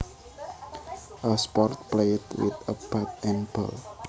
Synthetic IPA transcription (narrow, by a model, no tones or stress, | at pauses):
ʔəspɔrt̚pletwɪ̰t̪əbat̪̚ɛ̃npə̰l